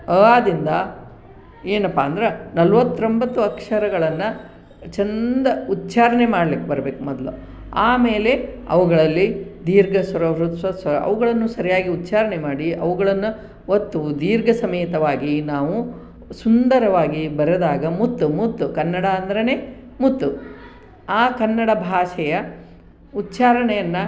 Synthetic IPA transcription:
aːd̪ind̪ɐ | eːnɐpːaːɐnd̪ɐɾenɐlʋɐt̪ːɾombɐt̪ːuɐkʂɐɾɐɡɐɭɐnːɐ | t͡ʃɛnd̪ɐut̪ːt͡ʃaːɾɐɳemaːɽɐlikːebɐɾɐbe̞ːkumɔd̪lṵ | aːme̞ːle̞ɐ̰ʋuɡɐɭɐlːid̪iːɾɡɐsɐɾɐʋɾut̪ɐsɐɾɐɐ̰ʋuɡɐɭɐnːusɐɾijaːɡiut̪ːt͡ʃaːɾɐɳemaːɽiɐʋuɡɐɭɐnːu | ot̪ːud̪iːɾɡɐsɐmɐjt̪ɐʋaːɡinaːʋu | sund̪ɐɾɐʋaːɡibɐɾɐd̪aːɡɐmut̪ːumut̪ːukɐnːɐɽɐːnd̪ɐɾɐneː | mut̪ːu | aːkɐnːɐɽɐbʱaːʃɛjɐ | ut̪ːt͡ʃaːɾɐɳɛjɐnːɐ

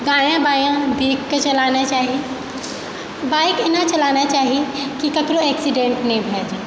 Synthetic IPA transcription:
ɡaːjãbaːjãbʱeːkkət͡ʃɐlaːnat͡ʃaːɦie | baːikenat͡ʃɐlaːnat͡ʃaːɦiekikɐkɾoɛːksiɖẽɳʈnɐĩbʱejad͡ʒaː

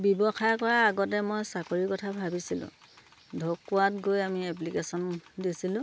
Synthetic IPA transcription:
bibɔxajkɔɹaːɡɔtɛmɔjsakoɹikɔtʰabʱabisilʊ̰̃ | dʱokːuatɡojamiɛplikesɔndisilʊ̃

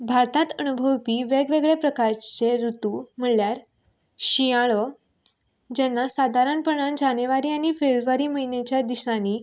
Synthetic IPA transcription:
bʱaɾt̪ãt̪ənubʱəwpiʋeɡʋeɡɭepɾəkaɾt͡ɕeɾut̪um̤əɭljaɾ | ɕijaɭə | d͡ʑɛnːasad̪ʱaɾanpəɳand͡ʑaneʋaɾiːañifebʋaɾiməɦinet͡ɕjad̪isãni

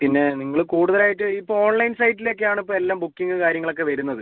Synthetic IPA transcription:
pinːe̞niŋːɐɭɨkuːɽuðɐlaːjiʈːɨipːooːɳlɐjnsɐjʈːilekːejaːɳip̬ːoːelːaːmbukːiŋɡɨkaːɾjɐŋːɐɭo̞k̬ːe̞ʋɐɾunːɐðɨ

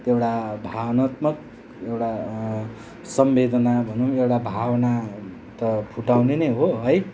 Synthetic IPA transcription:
t̪ewʈabʱabʌnat̪mʌk | ewʈa | sʌmbed̪ʌnabʱʌnuewʈabʱawna | t̪ʌpʰuʈawneneɦoɦʌj

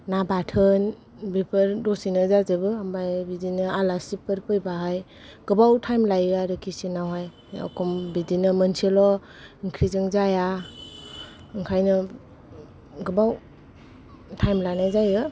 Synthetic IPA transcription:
nabatʰɯn | bipʰəɾdɔsinɯzazɯbɯambajbidinɯalasipɯɾpɯjbaɦaj | ɡ̥ɯbawtʰajmlajaɾɯkʰisinawɦaj | a̰kʰɔmbidinɯmənselɔ | iŋkʰɾizɯŋzaja | ɯŋkʰajnɯ | ɡɯbaw | tʰajmlanazajɯ

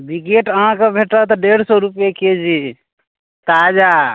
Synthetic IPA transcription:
biɡeʈəɦãkebʱeʈət̪ɔɖeɽsɔɾupjeked͡ʒi | t̪ad͡ʒa

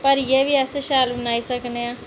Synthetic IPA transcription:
pəɾjeʋiəseʃaːlbənaːisəkneãː

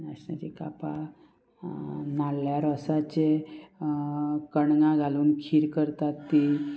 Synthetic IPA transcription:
nasna̰t͡ɕika̰pa | nalːjaɾɔsat͡ɕe | kəɳɡãɡʱaluːnkʰiɾkəɾt̪at̪ːi

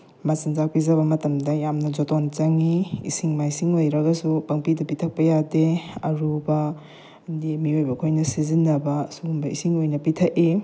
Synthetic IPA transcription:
mɐsinzak̚pizɐβɐmɐtɐmdɐjamnɐd͡ʒotont͡ʃɐŋiḭsiŋmajsiŋojɾɐɡɐsupɐŋpidɐpitʰɐk̚pɐjadeɐɾubɐ | ndimiojbɐkʰojnɐsizinːɐbɐsuumbɐisiŋojnɐpitʰɐki

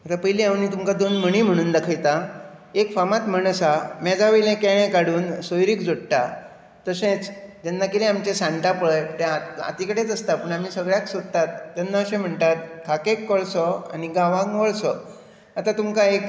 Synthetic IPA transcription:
mat̪apəɦiliãʋnit̪umkad̪onməɽ̃iːm̤əɽ̃uːnd̪akʰajt̪aekfamat̪məɳəsamɛ̃d͡zaʋəjlẽkɛɭ̃ẽkaɽuːnsojɾiːkd͡zoɽʈ̪a | t̪əsẽt͡sd͡ʑ̪ɛnːakilẽamt͡ɕẽsãɳʈapəɭəjt̪ẽaa̰t̪ikəɽet͡səst̪apəːɳam̤iːsəɡɭjaksod̪t̪at̪̚t̪anːaəɕẽm̤əɳt̪at̪kʰakekːɔɭsɔa̰niɡãʋãŋʋəɭsɔ | at̪at̪umkaek

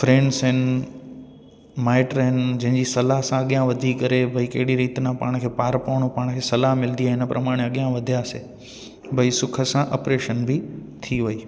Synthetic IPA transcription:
fɾẽːɳɖsɦɪnɪ | maːɪʈɾɦɪnɪd͡ʑɐ̃ɦɪ̃ɲd͡ʑisɐlaɦsãɐɠjãʋɐd̪ʱikɐɾebʱɐikɐɦɪɽiɾiːt̪nãpaːɽ̃kʰeːpaːɾpɐːʋɽ̃opaːɽ̃kʰeːsɐlaɦmɪlnd̪iaɦɪnəpɾʔɐmaːɽ̃eɐɠijãʋɐd̪ʱijaːseː | bʱɐisʊkʰəsãʔɐpɾeːʃənbʱɪt̪ʰiʋɐiː

